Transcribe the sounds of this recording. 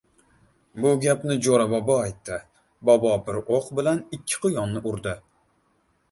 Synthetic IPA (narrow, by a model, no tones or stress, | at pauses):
bʊɡʲapnɪd͡ʒoɾabɒbɒajt̪ʰːɪ | bɒbɒbɪɾoqbɪlanɪkʲʰːɪ̥qʰʊjɒnːɪʔʊɾd̪ɪ